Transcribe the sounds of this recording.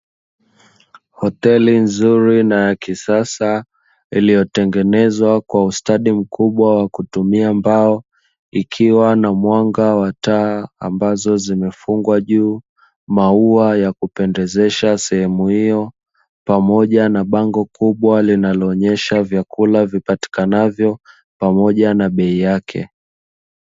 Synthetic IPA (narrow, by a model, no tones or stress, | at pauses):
hɔtɛlinzuɾinajakisasa | ilijɔtɛŋɡɛnɛzwakwaustaɗim̩kʰuɓwawakutumiambaɔ | ikʰiwanamwaŋɡawataːa̰mbazɔzimɛfuŋɡwaʄuː | mauajakupɛndɛzɛʃasɛhɛmuhijɔ | pamɔʄanaɓaŋɡɔkuɓwalinalɔːɲɛʃavjakulavipati̥kanavjɔ | pamɔʄanaɓɛijakʰɛ̰